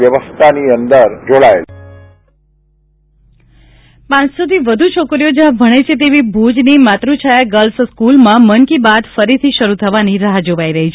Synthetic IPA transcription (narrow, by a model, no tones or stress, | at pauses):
jəʋəst̪ʰaniənd̪əɾd͡ʒoɭae | pãt͡ʃsot̪iʋəd̪ʱut͡ʃʰokɾijod͡ʒeãbʱəɽ̃et͡ʃʰet̪̬eʋibʱud͡ʒnimat̪ɾut͡ʃʰajaɡəlfskulmãməŋkibad̪fəɾit̪ʰiʃəɾut̪ʰəʋaniɾaɦad͡ʒoʋaiɾəɦit͡ʃʰe